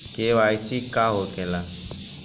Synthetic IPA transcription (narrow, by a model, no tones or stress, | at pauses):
keʋaːisikaɦokela